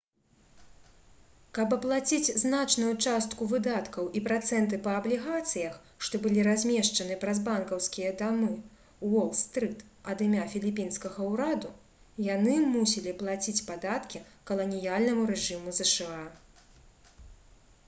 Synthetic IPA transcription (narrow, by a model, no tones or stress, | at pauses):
kɐbɐplˠat͡sʲit͡sʲznat͡ʂnujut͡ʂast̪kuvɨd̪at̪kɐwʔipɾat̪sɛnt̪̬ɨpɐːblʲiɣat̪sɨjɐx | ʂt̪ɔbɨlʲiɾazʲmʲɛʂt͡ʂɐnɨpɾɐzbankɐwskʲijɐd̪amɨ | wɔlˠst̪ɾɨt̪ | ɐd̪ɨmʲafʲilʲipʲinskɐɣɐuɾad̪u | janɨmusʲilʲiplˠat͡sʲit͡sʲpad̪at̪kʲikɐlˠɐnʲijalʲnɐmuɾɛʐɨmuzɛʂɛa